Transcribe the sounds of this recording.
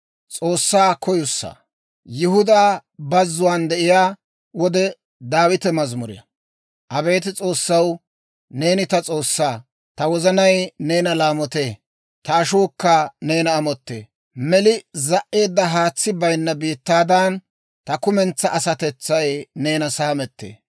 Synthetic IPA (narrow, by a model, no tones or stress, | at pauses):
t͡sʼo̞ːsːaːkɔjʊsːa̰ | jʊhʊd̪aːbɐzːʊwaːnd̪ɛʔɪjaː | wɔd̪ɛ | d̪aːwɪt̪ɛmɐzmʊɾɪ̰jɐ̰ | ʔɐbe̞ːt̪̬ɪt͡sʼo̞ːsːɐw | ne̞ːnɪt̪ɐt͡sʼo̞ːsːaː | t̪ɐwɔzɐnɐjne̞ːnɐlaːmɔt̪eː | t̪ɐːʃoːkːɐne̞ːnɐːmɔt̪ːḛː | mɛlɪzɐʔːe̞ːd̪ːɐɦaːt͡sːɪbɐjnːɐbiːt̪ːaːd̪ɐn | t̪ɐkʊmɛnt͡sːɐʔɐsɐt̪ɛt͡sːɐjne̞ːnɐsaːmɛt̪ːḛː